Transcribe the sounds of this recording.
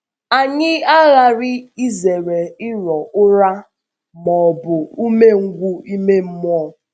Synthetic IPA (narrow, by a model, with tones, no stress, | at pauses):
a˨ɲɪ˦a˦ɣa˨ɾɪ˦i˦ze˨ɾe˨ɪ˦ɾɔ˨ʔʊ˦ɾa˦ | mɔ˨bʊ˨u˦me˦ŋ̩˦ɡʷu˦i˦me˦m̩˦mʊ˦ɔ˦˨